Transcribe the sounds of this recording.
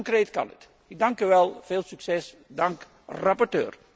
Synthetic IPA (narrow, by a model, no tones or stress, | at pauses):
ŋkreːtkɑ̰nə̰t | ɪɡ̚dɑŋkyʋɛlˠv̥eːlˠsyksɛs | dɑŋk | rɑpɔrtø̰ːr